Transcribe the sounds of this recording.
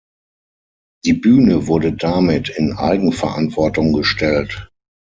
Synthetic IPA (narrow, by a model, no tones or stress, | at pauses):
d̥iːbyːnəvʊɐdədamɪtʰɪnʔa̰ɪɡŋ̩fɛɐʔa̰ntv̥ɔɐtʊŋɡəʃtʰɛlt